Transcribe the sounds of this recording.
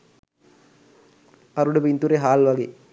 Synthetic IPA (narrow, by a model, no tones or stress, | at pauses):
ɐɾuɽubint̪uɾeɦaːlʋaɡe